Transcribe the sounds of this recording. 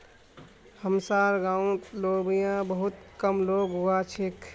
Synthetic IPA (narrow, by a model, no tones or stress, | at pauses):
həmsaːɾɡãːũt̪loːbijãbəɦʊt̪kəmloːɡɦuat͡ʃʰek